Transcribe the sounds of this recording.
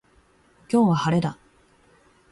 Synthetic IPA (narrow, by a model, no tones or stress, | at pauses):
kʲo̞ːβahaɾe̞d̪a